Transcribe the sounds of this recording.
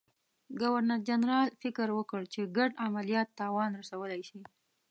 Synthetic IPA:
ɡawaɾnaɾd͡ʒanɾɑlfɪkəɾwəkəɽt͡ʃeɡaɖamalijɑt̪ːɑwɑnɾasawəlajʃi

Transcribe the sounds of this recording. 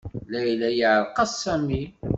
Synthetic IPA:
læjlæjəʕlqɑssæmi

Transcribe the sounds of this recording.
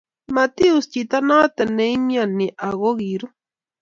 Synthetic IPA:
mat̪iust͡ʃit̪anat̪anejmjaniʔaɣoɡiɾu

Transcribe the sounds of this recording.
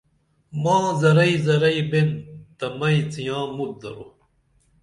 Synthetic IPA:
mãːzɐɾɐizɐɾɐjbent̪ɐmɐit͡sijãːmut̪̚d̪ɐ̰ɾo̰

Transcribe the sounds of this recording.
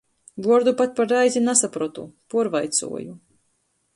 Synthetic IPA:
buɔɾd̪upat̪̚ʲpaɾajzʲinasapɾɔt̪ṵpuɔɾvajt̪sṵɔ̰ju

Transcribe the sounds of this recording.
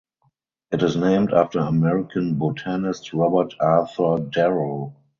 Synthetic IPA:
ʔɪtɪsnẽɪ̃mtaftə˞əmɛɹɪkʰə̃nbotʰanɪstɹɔbə˞tʰaθə˞dɛɹəl

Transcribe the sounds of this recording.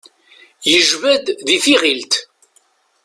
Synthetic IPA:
jəʒvæd̪ðifiʁilt̪

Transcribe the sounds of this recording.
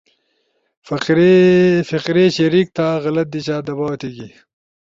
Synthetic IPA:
fɾfɪqɾeɕeɾik̚t̪aɣɐlɐt̪̚d̪it͡ɕaːd̪ɐbaːwɐt̪eːɡi

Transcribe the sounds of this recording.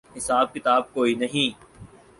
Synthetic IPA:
ɦɪsaːb̚kɪt̪aːb̚koːinɐɦĩː

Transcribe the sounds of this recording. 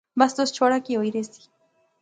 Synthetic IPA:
mbast̪ost͡ʃoɾakiojɾesi̥

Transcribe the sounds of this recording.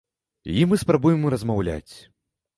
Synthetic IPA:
imɨspɾabujɛmɾɐzmawlʲa̰t͡sʲ

